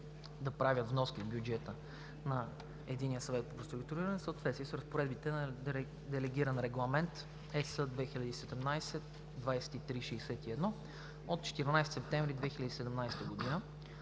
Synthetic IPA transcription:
d̪ɐpɾavʲət̪vnɔskʲivbʲjud͡ʒɛt̪ə | nɐ | ɛd̪inijəsɐvɛt̪̚poɾost̪ɾʊkt̪uɾiɾɐnɛsəːt̪vɛt̪siɛsɾəspoɾɛd̪bit̪ɛn | d̪ɛlɛɡʲiɾənɾɛɡlˠɐmɛnt̪ | ɛsəd̪vɛxilʲɐd̪iːsɛd̪ɛmnajsɛt̪ | d̪vajsɛ̥t̪it̪ɾiʃɛːsɛt̪iɛd̪nɔ | ot̪̚t͡ʃɛ̥t̪ɛɾnajst̪sɛp̚t̪ɛ̃ɱvɾid̪vɛxilʲɐd̪isɛd̪ɛmnajst̪əɡod̪inə

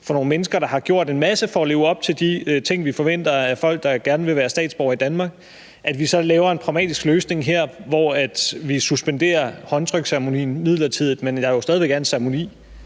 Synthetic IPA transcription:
fɒ̽no̝ːnmenəsɡ̥ɐɾ̥ɑ̈hɑ̈ɡ̥jo̝ɐ̰d̥e̝nmæsəfɒɒle̝ːʊ̽b̥t͡sʰe̝ld̥it͡sʰe̝ŋ̰ʋifɒ̽ʋen̰d̥ɐæfɒ̽l̰ɡ̥̚d̥ɑ̈ɡ̥æɐnəʋe̝ʋæːɐsd̥ɛ̰ːd̥sb̥ɒʊ̰ɐid̥ænmɑ̈ːɡ̥̚ | ʔæd̥ʋisɒ̽lɛːʊɐe̝npʰʁɑʊmɛ̰ːd̥isɡ̥løːsne̝ŋɦeɐ̰ʋɒæd̥ʋisusb̥end̥e̝̰ːɐhɒ̽nt͡sʰʁœɡ̥sæʁmo̝nḭːn̩mið̰ˠlɐt͡sʰið̞̰ˠð̩ˠmenjɑ̈josdɛðˠiʋeɡ̥æɐnnsæɐmo̝nḭː

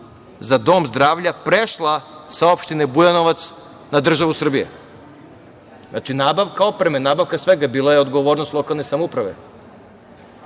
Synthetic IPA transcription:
zad̪o̞ːmzd̪ɾaːʋʎapɾeʃlˠasaopʃt̪inebujano̞ʋat̪s | nad̪r̩ʒaʋusr̩bijḛ | na̰t͡ʃinaːbaʋkao̞pɾe̞menaːbaʋkasʋeɡabiːlˠajeod̪ɡo̞ʋo̞ːɾnost̪lo̞kalˠne̞samoupɾaʋe̞̰

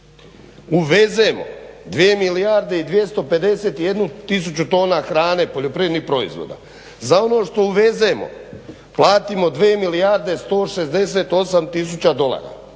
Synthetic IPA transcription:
uʋe̞zemo̞̰d̪ʋiemilijaɾd̪e̞id̪ʋje̞st̪o̞pe̞d̪e̞set̪ije̞d̪nut̪is̬ut͡ɕut̪o̞ːnaxɾaːne̞po̞ʎo̞pɾijed̪nipɾo̞ḭzʋo̰d̪a̰ | zao̞no̞ːʃt̪o̞uʋe̞ze̞mo̞̰ | plˠaːt̪imo̞d̪ʋeːmilijaɾd̪e̞st̪o̞ːʃezd̪e̞s̬e̞ːt̪o̞samt̪is̬ut͡ɕad̪o̞lˠa̰ːɾa̰

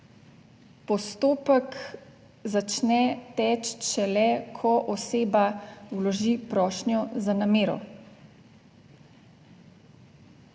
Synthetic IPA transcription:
pɔst̪oːpək | zat͡ʃnɛt̪ɛːt͡ʃʃɛlɛkʰɔʔɔseːbawlɔʒipɾɔːʃnjɔzanameːɾɔ̰

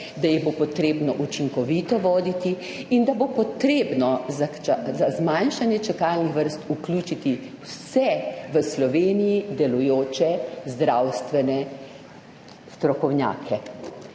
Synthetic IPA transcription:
d̪ajɛbopɔt̪ɾeːbnɔʔut͡ʃiŋkɔʋiːt̪ɔʋɔːd̪it̪i | ind̪abopɔt̪ɾeːbnɔzat͡ʃazazmanʃanjɛt͡ʃɛkalnixʋəɾst̪uklʲuːt͡ʃit̪i | wsɛʋəslɔʋeːnijid̪ɛlujoːt͡ʃɛzd̪ɾawst̪ʋɛnɛ | st̪ɾɔkɔwnja̰ːkʰɛ

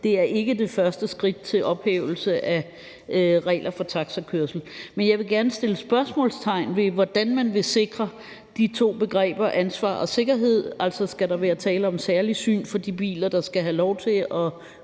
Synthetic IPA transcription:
d̥e̝æɐʔe̝ɡ̥əd̥e̝fɶɐsd̥əsɡ̥ʁid̥̚t͡sʰe̝lʔɒ̽b̥heːʊl̩səʔæ | ʁɛ̰ɪ̰lʔɐfɒ̽t͡sʰɑ̈ɡ̥sɐkʰøɐsl̩menjɑ̈ɪʋe̝ɡ̥æɐnəsd̥e̝ləsb̥ɶɐsmɔ̰ːlst͡sʰɑ̈ɪ̰nʋe̝ʋɒd̥ænmænʋe̝se̝ɡ̥ʁɐ | d̥it͡sʰo̝̰ːb̥e̝ɡ̥ʁɛ̰ːb̥ɐʔænsʋɑ̰̈ːɒ̽se̝ɡ̥ɐɦe̝ð̞̰ˠæl̰sɒsɡ̥æɾɑ̈ʋæːɐt͡sʰɛːləɒ̽msæɐlisy̰ːnfɒ̽d̥ib̥ḭːlɐd̥ɑ̈sɡ̥æɦælɒʊt͡sʰe̝ɒ̽

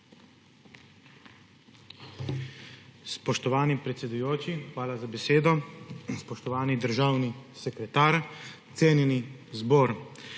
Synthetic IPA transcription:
spɔʃt̪ɔʋaːnipɾɛt̪sɛd̪ujoːt͡ʃixʋaːlazabɛseːd̪ɔspɔʃt̪ɔʋaːnid̪əɾʒaːwnisɛkɾɛt̪aːɾt̪seːnjɛnizboːɾ

